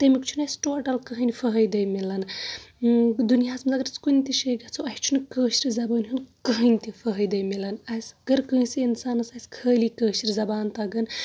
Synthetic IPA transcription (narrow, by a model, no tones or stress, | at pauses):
t̪ɐmikt͡ʃʰunɐjsʲʈoːʈɐlkəɦɨnifəɦəjd̪ɐjmilɐn | d̪unijaːsmɐzaɡɾɐt͡skunt̪iʃɐɡɐt͡sʰoɐhʲt͡ʃʰunɨkəːʃɾizɐbɐːnʲɦunkəɦənʲt̪ifɐɦɐjd̪ɐjmilɐnɐsɡɐɾkə̃nsiinsaːnɐsɐsʲkʰəːlikəːʃiɾʲizɐbaːnt̪ɐɡɐn